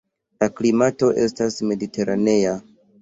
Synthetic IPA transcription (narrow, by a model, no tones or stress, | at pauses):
laklimato̞ʔe̞̰stasme̞dite̞ɾane̞a